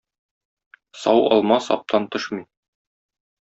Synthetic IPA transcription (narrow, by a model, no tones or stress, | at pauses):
sɑwɒ̰lˠmɑsɒ̰p̚t̪ʰɑnt̪ɤʃmij